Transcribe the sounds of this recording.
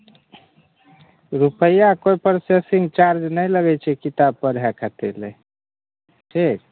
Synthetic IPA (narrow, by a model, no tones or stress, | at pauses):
ɾupəjakojpəɾsesiŋɡt͡ʃaɾd͡ʒnəjləɡɛjt͡ʃʰɛkit̪ab̚pəɾɦɛkʰət̪ele | ʈʰik̚